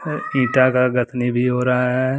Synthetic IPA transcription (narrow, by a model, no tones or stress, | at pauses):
ĩːʈakaɡɐt̪ʰnibʱiɦoːɾaɦaɦɛː